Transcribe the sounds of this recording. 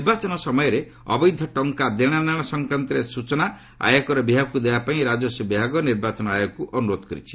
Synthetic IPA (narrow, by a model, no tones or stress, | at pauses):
niɾbat͡ʃɔnɔsɔmɔjɔɾe | ɔ̰bɔjd̪ʱjɔʈɔŋkad̪eɽ̃anaɽ̃ɔsɔŋkɾant̪ɔɾesut͡ʃɔna | a̰jɔkɔɾɔbibʱakud̪ebapaĩɾad͡ʒɔsɔbibʱaɡɔniɾbat͡ʃɔnɔajɔkuʔɔnuɾod̪ɔ̥kɔɾḭt͡ʃʰi̥